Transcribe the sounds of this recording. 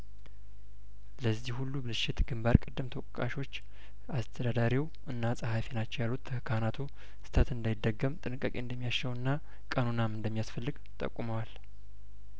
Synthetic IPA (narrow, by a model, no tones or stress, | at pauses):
ləzːihhulːubɨlɨʃɪt̪ɡɨmbaɾkʼɨd̪ːɨmt̪ʰəwʼkʼa̰ʃo̞t͡ʃː | ast̪ʰəd̪ad̪aɾiw | ʔɨnːasʼəhafenat͡ʃːɛwjalːut̪ːʰəhɨkʰanat̪ʰu | sɨ̥t̪ʰət̪ɨnd̪ajd̪ːəɡːəmt̪ʼɨnɨkʼːəkʼeɨnd̪əmːijaʃəwɨnːa | kʼənunamɨnd̪əmːijasfəlːɨɡ | t̪ʼə̰kʷʼːuməwal